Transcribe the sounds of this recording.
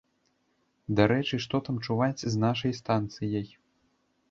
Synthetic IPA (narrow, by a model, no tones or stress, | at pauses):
d̪aɾɛt͡ʂɨʂt̪ɔt̪amt͡ʂuvat͡sʲznaʂɐjst̪ant̪sɨjɐj